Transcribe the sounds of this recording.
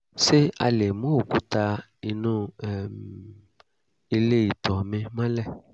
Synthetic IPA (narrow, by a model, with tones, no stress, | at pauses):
se˦a̰˧le˨mõ˦o˨ku˦t̪a˧ | i˧nũ˦˨m | e˨le˦ji˨t̪ɔ˨mẽ˨mã˦lɛ˦˨